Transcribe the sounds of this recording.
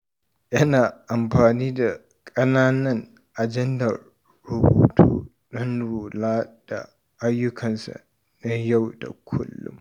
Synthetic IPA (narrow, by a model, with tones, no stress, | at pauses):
ʔɐ˦na˨ɐ˨mpaː˨niː˦d̪ɐ˨ | kʼɐ˦naː˦nɐ˦n | ʔɐ˨d͡ʒɛ˦nd̪a˨ | ɾʊ˨bṵː˨t̪ʰṵː˦ | ɗɐ˦nɾuː˨laː˦d̥a̰ː˨˦ | jːʊ˦kʰɐ˨nsɐ̰˨ | nɐ˨jɐ˦wd̪ɐ̰˨kʰʊ̰˦lːʊ̰˦m